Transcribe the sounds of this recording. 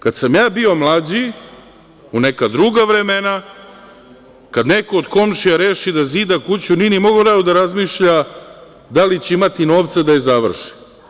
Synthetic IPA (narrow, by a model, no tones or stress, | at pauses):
kad̪samjaːbio̞mlˠad͡ʑi | unekad̪ɾuːɡaʋɾemena | kad̪neko̞ːd̪ko̞mʃiaɾeːʃid̪aziːd̪akut͡ɕunienimo̞ɡoɾaod̪aɾazmiʃʎa | d̪alit͡ɕeimat̪ino̞ːʋt̪sad̪ajezaʋr̩ʃi̥